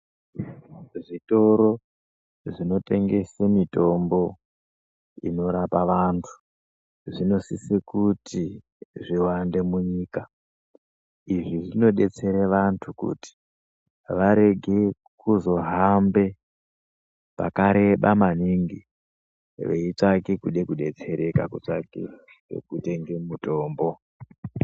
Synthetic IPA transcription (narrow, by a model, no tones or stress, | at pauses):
ʐito̞ɾo̞ | ʐino̞te̞ŋɡe̞semito̞mbo̞ | ḭno̞ɾapaʋantʰu̥ | ʐino̞sisekuti | ʐiwande̞muɲiːka | iʐiʐino̞ɗe̞t͡se̞ɾeʋantʰukṵti̥ | ʋaɾe̞ɡʱe̞ | kuzo̞ɦambe̞ | pa̰kaɾe̞ɓamaniŋɡi | ʋḛit͡ʂakekuɗe̞kuɗe̞t͡se̞ɾe̞ka̰kut͡ʂakḛ | ḛkute̞ŋɡemuto̞ːmbo̞